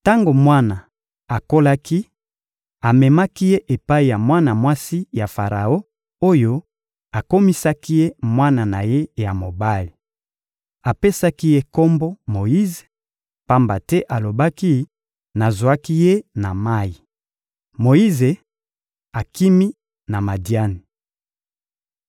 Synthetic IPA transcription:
ta˦ŋɡo˨mwa˦na˨ | a˨ko˦la˦ki˦ | a˨mɛ˨ma˦ki˦je˦ʔe˨pa˦i˨ja˨mwa˦na˨mwa˦si˦ja˨fa˨ʁa̰˨o˦ | o˦jo˦ | a˨ko˦mi˦sa˦ki˦je˦mwa˦na˨na˨je˦ja˨mo˨ba˦li˨ | a˨pe˦sa˦ki˦je˦ko˦mbo˦mo˨ji˦ze̥˨ | pa˦mba˨tɛ˦ʔa˨lo˨ba˦ki˦ | na˨zwa˦ki˦je˦na˨ma˦i˨ | mo˨i˦ze˨ | a˨ki˦mi˦ | na˨ma˨di˨a˦ni˨

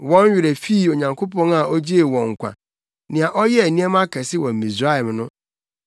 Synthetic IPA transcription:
wɔ̃˦n˦ɥɪ˨ɾe˨fi˦˨o˨ɲã˨ŋkʰo˦pʰɔ̃˦na˨ʔɔ˦d͡ʑi˦e˨wɔ̃˨ŋ̩˨kʷã̰˨ | nɪ̃˨a˨ʔɔ˦jɛ˦æ˨nĩ˦ɛ˦m˦a˦kʰɛ˨sɪ˦wɔ̃˨m˨mĩ˨sɾa˦ɛ˨m˦nʊ̃˦

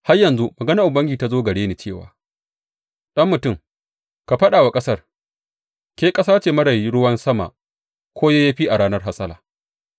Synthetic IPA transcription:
ha˦rjɐ˨nzu˦mɐ˨ɡɐ˦na˦˨ʔʊ˨bɐ˦ŋɡʲiː˨ta˦zoː˦ɡɐ˨ɽeː˦niː˨t͡ʃeː˦˨wa̰ː˨ | ɗɐ˦mːʊ˨tʊ˦˨m | ka˨ɸɐ˦ɗaː˨wa˨kʼɐ˦sɐ˦r | kʲeː˦kʼɐ˦saː˦t͡ʃeː˨mɐ˦ɽɐ˨ji˦ɽʊ˦wɐ˦nsɐ˦ma̰˨ʔ | kʰʷoː˦jaː˦jaː˦ɸiː˦ʔa˨ɽaː˦nɐ˦rɦa˦sɐ˦laː˨

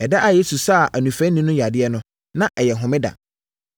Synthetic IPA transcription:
ɛ˨dɛ˦ʔa˨je˦su˨sa˦˨ʔa˨nũ˨fæ̃˦nːĩ˦nʊ̃˦ja˨dɪ˦ɛ˦nʊ̃˦ | nã˦ʔɛ˨jɛ˨ɦʊ̃˨mɪ̃˦da̰˨

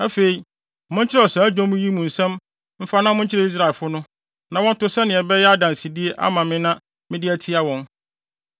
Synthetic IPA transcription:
æ˦fe˨i˨ | mʊ̃˦ɲ˦t͡ɕʰɪ˦ɾɛ˦ɔ˨sɛ˨˦æ˦d͡ʑᶣɔ̃˦mũ˦ji˦mũ˨n̩˨sɛ̃˦m | m̩˦fa˦nã˦mʊ̃˦ɲ˦t͡ɕʰɪ˦ɾɛ˨i˦s̬ɾa˨lfʊ˦nʊ̃˦ | nã˨wɔ̃˦n˦tʊ˦sɛ˦nɪ̃˨ɛ˨bɛ˦jɛ˦a˦dã˨n˨si˨di˦e˦ʔa̰˦mã˨mɪ̃˦nã˦ | mɪ̃˦dɪ˦æ˦tʰi˦a˦wɔ̃˦n

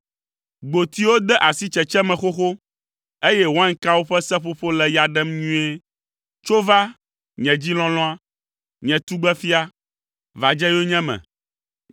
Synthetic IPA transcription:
ɡ͡bo˨t̪i˦wo˦d̪ɛ˦ʔa˨si˦t͡ʃɛ˨t͡ʃɛ˦mɛ̃˨xo˦xo˦ | e˦jɛ˦wo˦ã˦ŋ˦ka˦wo˦ɸɛ˦sɛ˦ɸo˦ɸo˦lɛ˨ja˨ɖɛ˦mɲũ˦ɛ˦ | t͡ʃo˦va˦ | ɲɛ̃˨d͡ʑi˦lɔ̃˦lɔ̃˦a˦ | ɲɛ̃˨t̪u˦ɡ͡bɛ˦fi˦a˦ | va˨d͡ʒɛ˦jo˦ɲɛ̃˦mɛ̰̃˨

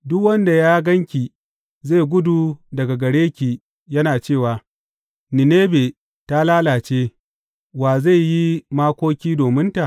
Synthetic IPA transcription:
dʊ˦kwɐ˦nda˨jaː˦ɡɐ˦ŋkʲi˨ | ze˦˨ɡʷʊ˦du˨dɐ˨ɡa˨ɡɐ˨ɽeː˦kʲiː˨ | jɐ˦naː˨t͡ʃeː˦˨waː˨ | nɪ˨neː˦be˨ | ta˦laː˦laː˨t͡ʃeː˦ | waː˨za˦˨jji˦maː˦kʷoː˦kʲiː˦doː˨mɪ˦nta˨ʔ

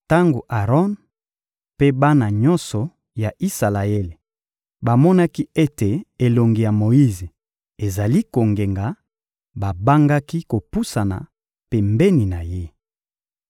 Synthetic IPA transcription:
ta˦ŋɡo˨ʔa˨ʁɔ˦n | pe˦ba˦na˨ɲɔ˦nsɔ˨ | ja˨ʔi˦sa˨la˨e˦le˨ | ba˨mɔ˦na˦ki˦e˦te˨e˨lo˨ŋɡi˨ja˨mo˨i˦ze˨ | e˨za˨li˦ko˨ŋɡe˨ŋɡa˨˦ | ba˨ba˦ŋɡa˦ki˦ko˨pu˦sa˨na̰˨ | pe˨mbe˦ni˨na˨je˦

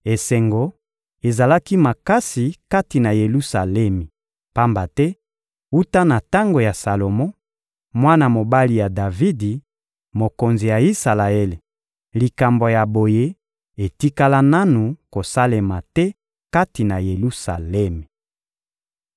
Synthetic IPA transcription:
e˨sɛ˨ŋɡo˨ | e˨za˨la˦ki˦ma˨ka˦si˨ka˦ti˨na˨je˨lu˦sa˨lɛ˦mi˨ | pa˦mba˨tɛ˦ | u˦ta˦na˨ta˦ŋɡo˨ja˨sa˨lo˨mɔ̃˦ | mwa˦na˨mo˨ba˦li˨ja˨da˨vi˦di˨ | mo˨ko˨nzi˨ja˨i˦sa˨la˨e˦le˨ | li˨ka˨mbo˨ja˨bo˨je˦ | e˨ti˦ka˦la˦na˦nu˨ko˨sa˦le˨ma˨tɛ˦ | ka˦ti˨na˨je˨lu˦sa˨lɛ˦me˨

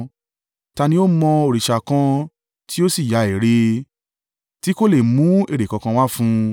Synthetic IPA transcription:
ta˧nĩ˧˦o˦mɔ̃˧o˨ɾi˨ʃa˨kã˧ | ti˦o˦si˦˨ja˨˧˦e˨ɾe˧ | ti˦ko˦˨le˦˨mũ˨˦e˦˨ɾe˨kɔ˨˧kã˧w̃a˦fũ˦

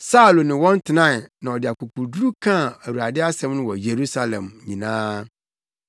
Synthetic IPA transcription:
sa˦u˨lo˨nɪ̃˨wɔ̃˦n˦tʰɪ˨nã˦˨nã˨ɔ˨dɪ˨a˨ku˨kʰu˨ɾdu˦ɾu˦kʰã˦˨æ˨wu˨ɾa˨dɪ˦a˦sɛ̃˦mnʊ̃˦wɔ˨je˨ɾu˦sa˦lɛ̰̃˨mɲĩ˨nãː˦

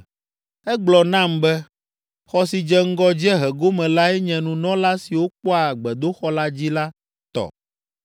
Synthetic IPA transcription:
ɛ˦ɡ͡blɔ˨nã˦˨mbɛ˦ | xɔ˦si˨d͡ʒɛ˦ŋ̩˦ɡɔ˦d͡ʑɛ˦ɦɛ˨ɡo˦mɛ̃˨la˦ɛ˦ɲɛ̃˨nũ˨nɔ̃˦la˦si˨wo˦k͡pɔ˦a˨ɡ͡bɛ˨d̪o˦xɔ˦la˦d͡ʑi˦la˦ | t̪ɔ̰˨

